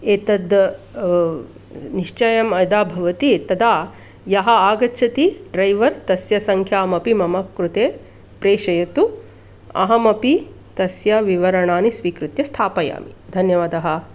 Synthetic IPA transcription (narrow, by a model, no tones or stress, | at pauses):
eːt̪ɐd̪ | niʃt͡ʃɐjɐmɐd̪aːbʱɐʋɐt̪it̪ɐd̪aː | jɐɦɐaːɡɐːt͡ʃʰɐt̪iɖɾɐjʋɐɾt̪ɐsjɐsɐŋkʰjaːmɐpimɐmɐkɾut̪eː | pɾeːʃɐjɐt̪u | ɐ̰ɦɐmɐpi | t̪ɐsjɐʋiʋɐɾɐɳaːnisʋiːkɾut̪jɐst̪ʰaːpɐja̰ːmid̪ʱɐnjɐʋaːd̪ɐɦɐ̆